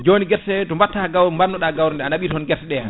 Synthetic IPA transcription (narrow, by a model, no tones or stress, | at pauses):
d͡ʒoːniɡɛɾsɛtɔmbatːaɡawɾmbannɔɗaɡawɾɔndɛanaɓiːtɔɔnɡɛɾsɛɗɛa